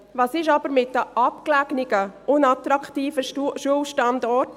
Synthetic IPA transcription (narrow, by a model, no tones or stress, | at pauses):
ʋɑːsɪʃɑb̥əɾmɪt̚dəʔɑpklæɡnɪɡəʔʊnɑt̪ɾɑkʰtiːfəʃuəlʃtɑndɔɾt